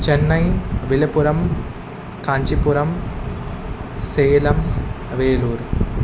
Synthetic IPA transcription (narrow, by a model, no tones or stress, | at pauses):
t͡ʃenːɐjʋilɐpuɾɐm | kaːɲt͡ʃipuɾɐm | seːlɐm | ʋeːluːɾ